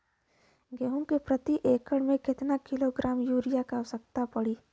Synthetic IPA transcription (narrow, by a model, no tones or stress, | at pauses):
ɡeːɦʊŋkepɾət̪iʔeːkəɽmẽkɪt̪nakɪloɡɾaːmjuːɾɪjakaɐʋsəkt̪apɐɽiː